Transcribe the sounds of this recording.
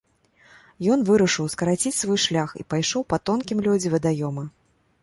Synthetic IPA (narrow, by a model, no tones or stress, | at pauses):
jɔn̪vɨɾɐʂɨwskɐɾat͡sʲit͡sʲsvɔjʂlʲaxḭpajʂɔwpɐt̪ɔnkʲimlʲud͡zʲivʲɐd̪ajɔmɐ